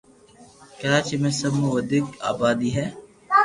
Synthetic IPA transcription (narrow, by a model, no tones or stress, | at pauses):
kɐɾaːt͡ʃimẽsɐmuʋəd̪ɪka̰ːbaːd̪iːɦɛː